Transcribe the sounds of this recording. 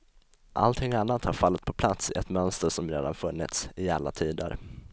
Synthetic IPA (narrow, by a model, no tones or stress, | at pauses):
ʔa̰lt̪ʰɪŋːanːat̪haɾfalːət̪̚pʰɔpʰlat̪sɪɛt̪mœnst̪əɾʂɔmɾeːd̪anfɵnːɪ̰t̪sɪalːat̪ʰiːd̪ə̰ɾ